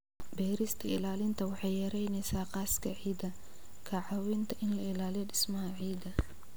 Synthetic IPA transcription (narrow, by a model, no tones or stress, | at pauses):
bɛːɾɪst̪ʰɐɪ̰laːlɪnt̪ʰɐwɑħɑjjɛɾɛjnɛsaːqɑːskʰɐʕiːd̪ɐ | kʰɐʕɑwɪnt̪ʰɐʔɪnlɐɪlaːlɪjɔɖɪsmɐɦɐʕiːd̪ɐ